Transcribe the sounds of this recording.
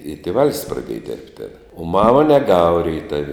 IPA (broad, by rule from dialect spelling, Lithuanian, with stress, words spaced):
ɪ tʲeːˈʋɐlʲsʲ prɐˈdʲiɛjɛ dʲɪrʲpʲtʲ tʲeːn oː ˈmɑːmɐ nʲɛˈɡɑːʋɐ rʲɛɪˈtɐw